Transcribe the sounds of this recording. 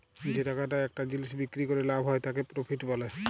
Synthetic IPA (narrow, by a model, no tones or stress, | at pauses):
id͡ʒitakataɛk̚tad͡ʒilisbikɹikɔɹɛlabʱɦɔjtakɛpɹopʰitpalɛ